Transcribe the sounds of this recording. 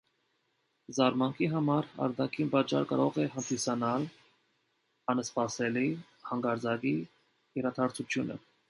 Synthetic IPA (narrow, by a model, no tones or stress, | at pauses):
zɑɾmɑŋkʰiɦɑmɑɾɑ̰ɾd̪ɑkʰinpɑt͡ʃːɑ̰ɾkɑɾɔʁɛɦənd̪isɑnɑl | ɑnəspɑsɛli | hɑŋɡɑɾd͡zɑɡi | jɛɾɑt̪ʰɑɾt͡sʰut͡ʃʰjunə̰